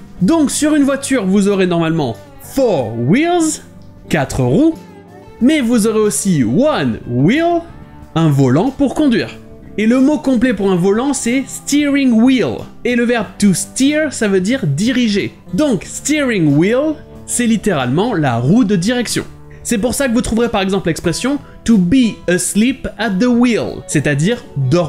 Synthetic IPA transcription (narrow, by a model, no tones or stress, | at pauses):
d̪ɔ̃ksyʁynvwat̪yʁvuzɔʁenɔʁmalmɑ̰̃ | fɔʁwilz | kat̪χəʁu | mɛvuzoʁeosiwanwilɛ̃vɔlɑ̃puʁkɔ̃d̪ɥḭːʁ | eləmokɔ̃plɛpuʁɛ̃vɔlɑ̃sɛst̪iʁiŋwileləvɛʁb̚t̪ust̪iʁsavød̪iʁd̪iʁiʒe | d̪ɔ̃kst̪iʁĩŋwil | sɛlit̪eʁalmɑ̃la̰ʁud̪əd̪iʁɛksjɔ̰̃ | sɛpuʁsakəvut̪χuvʁepaʁɛɡzɑ̃plɛkspχesjɔ̃ | t̪ubiəslipat̪̚d̪əwilset̪ad̪iʁd̪ɔʁ